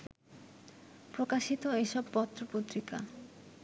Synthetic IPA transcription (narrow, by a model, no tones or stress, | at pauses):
pɾokaʃit̪oeʃɔbpɔt̪ːɾopot̪ɾika